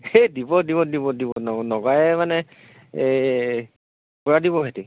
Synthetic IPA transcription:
edibɔdibɔdibɔdibɔnɔnɔɡajɛmanɛ | kɔɹadibɔɦeti

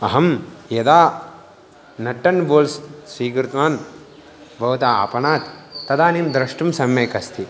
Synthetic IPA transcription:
ɐɦɐmjɐd̪aː | nɐʈːɐnboːlssiːkɾut̪ʋaːn | bʱɐʋt̪aːa̰ːpɐɳaːt̪ːɐd̪aːnimd̪ɾɐʂʈumsɐmjeːkɐst̪ʰi

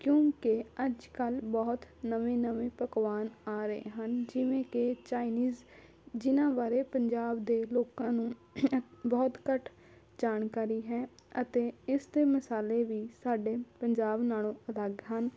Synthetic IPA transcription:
kjõːkɪəd͡ʒkəlbɔːt̪nəʋẽːnəʋẽːpəkʋaːnaːɾəḛːɦənd͡ʒɪʋẽːkɪt͡ʃaːiniːz | d͡ʒɪnãːbaːɾeːpəɲd͡ʒaːbd̪eːloːkãːnũː | bɔːt̪kəʈʰ | d͡ʒaːnkaːɾiːɦɛːət̪eːɪsd̪eːməsaːleːʋiːsaːɖeːpəɲd͡ʒaːbnaːlõːələɡɦən

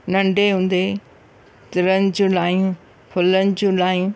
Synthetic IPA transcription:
nɐ̃ɳɖʱeɦũːn̆d̪e | t̪ɪɾənɪ̆d͡ʑũlaːjũ | pʰʊlənɪ̆d͡ʑũlaːjũ

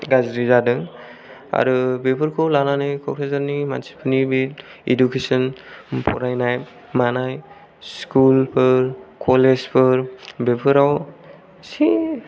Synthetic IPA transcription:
ɡazɾizadɯŋ | a̰ɾubepʰɯɾkʰɔwlananɯjkʰɔk̚ɾʰazaɾnima̰nsi̥pʰɯnibitḛdukesɔnpʰɔ̰ɾajnaj | manaj | skulpʰɯɾkʰɔlezpʰɯɾbepʰɯɾaw | si

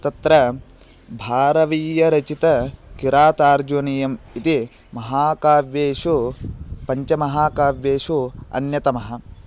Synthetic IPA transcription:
t̪ɐt̪ɾɐ | bʱaːɾɐʋiːjɐɾɐt͡ʃit̪ɐkiɾaːt̪aːɾd͡ʒunijɐmit̪i | mɐɦaːkaːʋjeːʃupɐɲt͡ʃɐmɐɦaːkaːʋjeːʃuɐ̰njɐt̪ɐmɐɦɐ̆

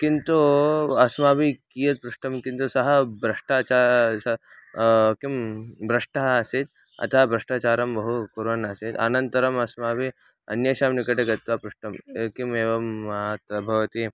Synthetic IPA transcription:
kint̪uɐsmaːbikijɐt̪̚pɾuʂʈɐmkint̪usɐɦɐbɾɐʂʈaːt͡ʃasɐ | kimbɾɐʂʈaɦːsit̪ | ɐ̰t̪ʰaːbɾɐʂʈaːt͡ʃaːɾɐmbɐɦukuɾɐnɐsit̪ɐ̰nɐnt̪ɐɾɐmɐsmaːbi | ɐ̰njɐʃaːmnikɐʈeɡɐt̪ʋaːpɾuʂʈɐmkimeːʋɐmɐt̪ɐbʱɐʋɐt̪i

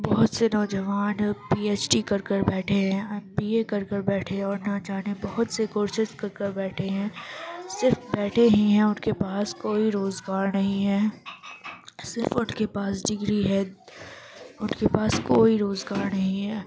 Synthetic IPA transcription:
bɔɦʊt̪senɔːd͡ʒəʋaːnpiːeːt͡ʃʈikɐɾkəɾbɛːʈʰeɦɛ̃ɛmbiːekɐɾkəɾbɛːʈʰẽɔːɾnad͡ʒaːnebɔɦʊt̪sekoːɾʃɪʃkɐɾkəɾbɛːʈʰeɦɛ̃ːsɪɾfbɛːʈʰeɦĩɦɛ̃ʊnkepaːskoːiɾoːzɡaːɾnɐɦĩɦɛː | sɪɾfʊnkepaːsɖɪɡɾiɦɛ | ʊnkepaːskoːiɾoːzɡaːɾnɐɦĩɦɛː

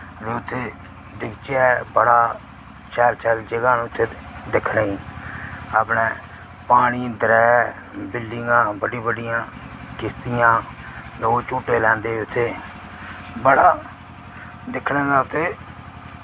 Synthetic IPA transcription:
ət̪eːʊt̪ʰːeː | d̪ɪkt͡ʃjaːɛbəɽaː | t͡ʃʰɛːɾt͡ʃʰɛld͡ʒəɡaːnũːʊt̪ʰːeːd̪ɪkʰɽeːiː | aːpɽeː | paːɽ̃ĩːd̪ɾɛː | bɪlɖɪŋɡãːbəɖĩːbəɖɪjãː | kɪst̪ɪjãːd̪ot͡ʃuːʈeːlɛ̃ːnd̪eːʊt̪ʰːeː | bəɽaː | d̪ɪkʰɽẽːd̪aːʊt̪ʰːeː

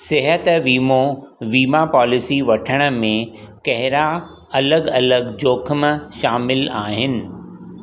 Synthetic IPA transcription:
sɪɦət̪ʋiːmoʋiːmapɔːlɪsiʋɐʈʰəɽ̃ə̆mẽkɐɦɪɾa | ɐləɡɐləɡd͡ʑoːkʰəmʃaːmɪlaːɦɪnɪ̆

